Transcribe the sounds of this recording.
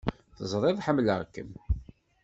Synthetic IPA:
θəzˤɾˤeðˤħəmːləʁkːə̰m

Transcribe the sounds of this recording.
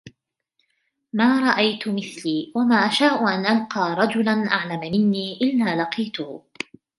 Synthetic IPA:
maːɾˤɑʔajt̪ʊmɪθliːwamaːʔaʃaːʔʊʔanʔalqɑːɾˤɑd͡ʒʊlanʔaʕlamamɪnːiːʔɪlːaːlɑqiːt̪ʊhʊ

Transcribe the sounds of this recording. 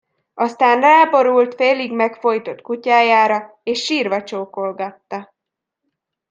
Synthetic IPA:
ɒst̪aːnraːbo̞ɾult̪feːliɡmɛkfo̞jt̪o̞t̪kucaːjaːɾɒ | eːʃːiːrvɒt͡ʃoːko̞lɡɒt̪ːɒ

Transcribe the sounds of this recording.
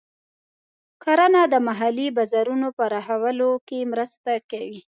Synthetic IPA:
koɾanɑd̪əmaɦalibazaɾunopəɾaɦawəlokemɾəst̪akawi

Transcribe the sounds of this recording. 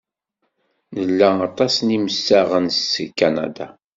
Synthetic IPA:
nəlːæɑt̪ˤɑsniməsːæʁənskːana̰d̪a̰

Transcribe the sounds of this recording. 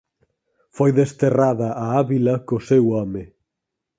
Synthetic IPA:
fojðest̪eraðɐʔaaβilɐkosewɔmɪ

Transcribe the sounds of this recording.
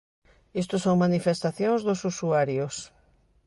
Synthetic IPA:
est̪ʊsõŋmanifest̪aθjõŋzðʊsusuaɾjos

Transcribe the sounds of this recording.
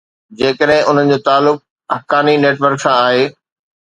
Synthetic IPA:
d͡ʑeːkəɗɦɪ̃ʔʊn̤ənɪ̆d͡ʑoːt̪aːlːʊk̚ | ɐkaːnineːʈʋəɾksãaːɦeː

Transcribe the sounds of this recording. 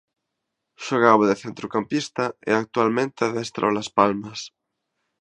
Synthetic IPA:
ʃoɣaβoðeθent̪ɾukampist̪aeak̚t̪ualmẽnt̪eaðest̪ɾo̰laspalmas

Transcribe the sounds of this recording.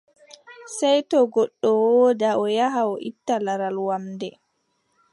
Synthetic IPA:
sajtɔɡɔɗːɔwɔːdaɔjaɦaɔʔitːalaɾalwamdɛ

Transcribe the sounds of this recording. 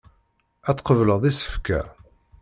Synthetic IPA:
æt͡sːqəvləʁðˤisə̥fkæ̰

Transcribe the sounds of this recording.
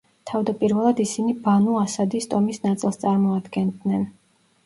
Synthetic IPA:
t̪ʰavd̪apʼiɾvɛlˠad̪isinibanuasad̪ist̪ʼɔmisnat̪sʼilˠst̪sʼaɾmɔad̪ɡɛnd̪nɛn

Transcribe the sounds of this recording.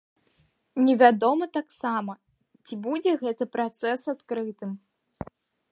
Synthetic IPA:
nʲɛvʲad̪ɔmɐt̪aksamɐ | t͡sʲibud͡zʲɛɣɛt̪ɨpɾat̪sɛsat̪̚kɾɨt̪ɨm

